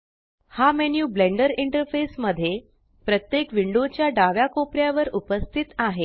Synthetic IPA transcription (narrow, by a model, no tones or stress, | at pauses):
hamenjuːbleɳɖəɾiɳʈəɾfesməd̪ʱːje | pɾət̪jekʋiɳɖot͡ɕjaɖaʋjakopɾjaʋəɾupəst̪ʰit̪aɦe